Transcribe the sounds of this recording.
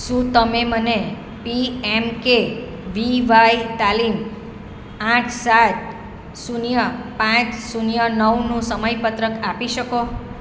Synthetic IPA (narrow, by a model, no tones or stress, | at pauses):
ʃũt̪əmeməne | piɛmke | ʋiʋait̪alim | ãʈʰsat̪̚ | sunjəpãt͡ʃsunjənəwnũsəməjpət̪ɾəkapiʃəko